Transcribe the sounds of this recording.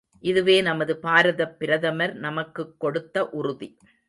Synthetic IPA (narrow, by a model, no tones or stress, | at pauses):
ʔɪðɯʋeːnɐmɐðɯpaːɾɐðɐpːɪɾɐðɐmɐɾnɐmɐkːɯkːɔɽɯt̪ːɐʔʊrʊðḭ